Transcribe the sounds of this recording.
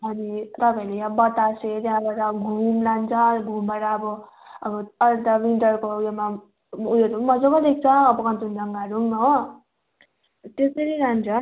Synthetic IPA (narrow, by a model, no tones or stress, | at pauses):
ɦʌnit̪ʌpãelejãbʌt̪aset̪jaãbaʈʌbʌɡʱumlant͡sʰʌɡʱumbaʈaːbʌ | ʌbʌʌɾt̪awiɳʈʌrkojoma | ujoɾumʌd͡zokʌd̪ek̚t͡sʰʌːbʌkʌnt̪undʌŋɡaɾumɦo | t̪esʌɾiɾant͡sʰʌ